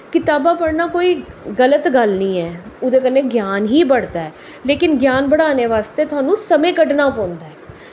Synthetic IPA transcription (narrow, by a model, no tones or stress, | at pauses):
kɪt̪aːbaːpəɽnaːkoːiːɡələt̪ɡəlnĩːɛːʊd̪eːkənːẽːɡjaːnɦiːbəɽd̪aːɛːleːkɪnɡjaːnbəɽaːneːʋaːst̪eːt̪ʰʊaːnũːsəmẽːkəɖnaːpɔ̃ːnd̪aːɛː